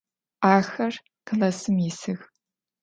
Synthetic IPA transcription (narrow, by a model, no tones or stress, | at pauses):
aːxɐr | kʰɮɐsɨmjɪsɨx